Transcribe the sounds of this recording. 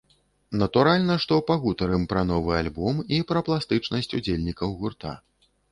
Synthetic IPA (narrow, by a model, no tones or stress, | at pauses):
nɐt̪uɾalʲnɐʂt̪ɔpɐɣut̪ɐɾɨmpɾɐnɔvɨalʲbɔmipɾɐplˠast̪ɨt͡ʂnɐsʲt͡sʲud͡zʲelʲnʲikɐwɣurt̪a̰